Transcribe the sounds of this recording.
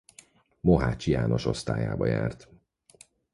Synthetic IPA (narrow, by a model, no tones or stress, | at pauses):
moɦaːt͡ʃijaːno̞ʃo̞st̪aːjaːbɒjaːrt̪